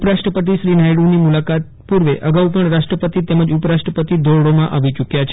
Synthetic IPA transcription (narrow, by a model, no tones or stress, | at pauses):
pɾaʃʈɾəpət̪̬iʃɾinajɽũnimulakat̪̚puɾʋeʔəɡaupəɳɾaʃʈɾəpət̪it̪ɛməd͡ʒupɾaʃʈɾəpət̪id̪ʱoɽɽomãʔaʋit͡ʃukjat͡ʃʰ